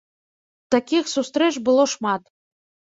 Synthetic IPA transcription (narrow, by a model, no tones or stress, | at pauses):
t̪akʲixsust̪ɾɛt͡ʃbɨlˠoʂmɑt̪